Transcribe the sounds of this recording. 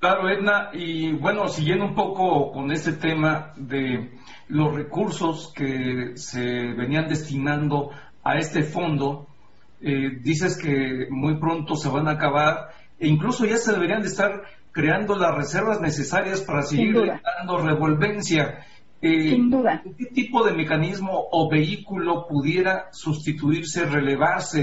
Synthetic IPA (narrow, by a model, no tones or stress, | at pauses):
klaɾo̞ed̪naiβwe̞no̞siɣjend̪oumpo̞ko̞ko̞ne̞st̪e̞t̪e̞maðe̞ | lo̞sre̞kuɾso̞ske̞se̞βe̞niand̪e̞st̪inãnd̪o̞ | a̰e̞st̪e̞fo̞nd̪o̞ | ed̪is̬e̞ske̞mujpɾo̞nt̪o̞se̞βanaːkaβaɾ | eiŋkluso̞ʝase̞ðe̞βe̞ɾiand̪est̪aɾ | kɾe̞and̪o̞lasre̞se̞ɾβazne̞se̞saɾjaspaɾaseɣiɾd̪and̪o̞re̞βo̞lβe̞nsja | enduðaket̪ipo̞ðe̞me̞kanizmo̞ʔːβe̞ikulo̞puðje̞ɾasust̪it̪uiɾse̞re̞le̞βaɾse̞